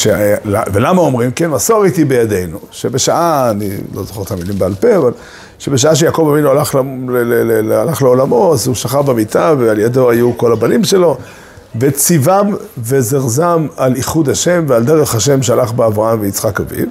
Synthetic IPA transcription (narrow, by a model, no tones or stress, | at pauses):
ʃelavelamao̞mʁimkenmasoʁit̪ibejade̞jnuʃebe̞ʃaʔaːnḭlo̞̰zoχe̞ʁt̪amilimbealpeaval | ʃebe̞ʃ̬aaʃ̬ejakovavinualaχlalelelelealaχleolamo̞zuʃaχaʁbemit̪avealjado̞ajuko̞labalimʃe̞lo̞ | vet͡sivamve̞zeʁzamaliχud̪haʃe̞mveald̪eʁeχaʃ̬e̞mʃealaχbeavʁaamveit͡sχakavḭv